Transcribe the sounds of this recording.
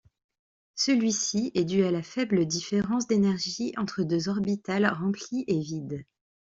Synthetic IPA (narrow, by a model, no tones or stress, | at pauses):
səlɥisiɛd̪yalafɛbləd̪ifeʁɑ̃s̬d̪enɛʁʒiɑ̃t̪χəd̪øzɔʁbit̪alʁɑ̃pliʔevid̪